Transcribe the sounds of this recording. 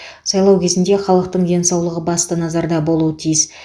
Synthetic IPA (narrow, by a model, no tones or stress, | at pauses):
sɑjlˠɑwkʲʰe̞zɪnd̪e̞χɑlˠəq̚t̪əɴd̪e̞nsɑwlˠəʁəbɑst̪ənɑzɑɾd̪ɑbo̞lˠuət̪ʰijɪs